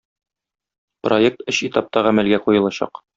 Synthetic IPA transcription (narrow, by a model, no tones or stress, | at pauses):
proek̚t̪ɘɕit̪ɑp̚t̪ɑʁæmælɡæqujɤ̆lˠɑɕɑ̰q